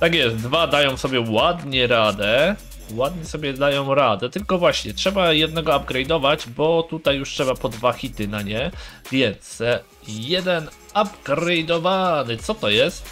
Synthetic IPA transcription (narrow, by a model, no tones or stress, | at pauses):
t̪akjɛst̪d̪vad̪ajɔ̃w̃sɔbʲjɛwad̪ɲɛɾad̪ɛ | wad̪ɲɛsɔbʲjɛd̪ajɔ̃w̃ɾad̪ɛt̪ɘlkɔvwaɕɲɛtʂɛbajɛd̪nɛɡɔab̚ɡɾɛjd̪ɔvad͡ʑbɔt̪ut̪ajːuʂtʂɛbapɔd̪vaxʲit̪ɘnaɲɛvʲjɛnt̪s | jɛd̪ɛn | ab̚ɡɾɛjd̪ɔvanɘt̪sɔt̪ɔjɛst̪